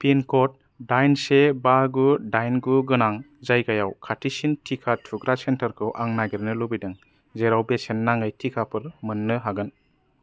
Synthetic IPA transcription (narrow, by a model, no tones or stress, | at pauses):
pinkɔt̚ | dajnsebaɡudajnɡuɡɯnaŋzajɡajawkʰatʰisintʰikʰatʰuɡɾasentʰɐɾkʰɯwʔaŋnaɡiɾnɯlubidɯŋ | zeɾawbesenːaŋɯjtʰikʰapʰɯɾmɯnːɯɦaɡɯn